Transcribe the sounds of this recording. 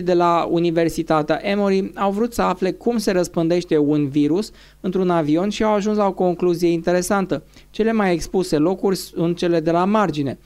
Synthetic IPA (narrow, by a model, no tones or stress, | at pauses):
d̪e̞launive̞rsit̪at̪eaʔe̞moɾiawvɾut̪səafle̞kumse̞ɾəspɨnd̪e̞ʃt̪e̞unviɾus | ɨnt̪ɾunavio̞nʃiawaʒuns̬lao̞ko̞ŋkluzije̞int̪e̞ɾe̞sant̪ə | t͡ʃe̞le̞maje̞kspuse̞lo̞kurʲsunt̪̚t͡ʃe̞le̞d̪e̞lamard͡ʒine̞